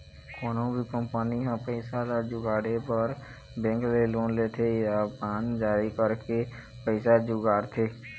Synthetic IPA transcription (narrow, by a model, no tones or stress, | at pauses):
kɔːnõbʱikə̃mpəniɦãpəɪsalad͡ʒʊɡaːɽepəɾ | bɛ̃ŋkleloːnlet̪ʰeapaːnd͡ʒaːɾikəɾke | pəɪsad͡ʒʊɡaːɾt̪ʰeː